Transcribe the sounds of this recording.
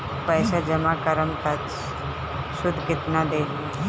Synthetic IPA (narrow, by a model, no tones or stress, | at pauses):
pəːsad͡ʒəmaːkəɾəmk̪at͡ʃ | sʊd̪ʱkɪt̪nad̪eː